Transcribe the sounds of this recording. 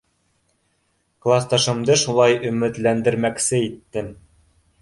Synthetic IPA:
klˠast̪ɑʃɤ̆md̪ɤʃulˠɑjɵ̆mɘ̆t̪lænd̪ɘ̆ɾmæksɘit̪ːɘn

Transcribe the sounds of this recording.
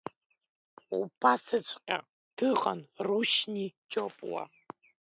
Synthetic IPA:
ṵpʰasɨt͡ʃʷʼqʲʼa̰ | tʰɨqʼɐ̰nruʃnit͡ʃʼopʼwa̰

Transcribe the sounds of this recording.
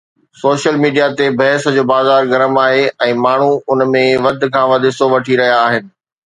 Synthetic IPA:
soːʃəlmiːɖijat̪ebʱɐɦɪsd͡ʑoːbaːzaːɾɡɐɾəmaːɦeɛ̃ːmaːɳ̤̃uʊnmẽʋɐd̪̆ʱkʰãːʋɐd̪ʱɪsoʋɐʈʰiɾɐɦijaːɦɪnɪ̆

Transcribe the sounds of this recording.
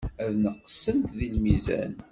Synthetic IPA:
æðnəqːə̥sːəmt̪ðilmizæ̰n

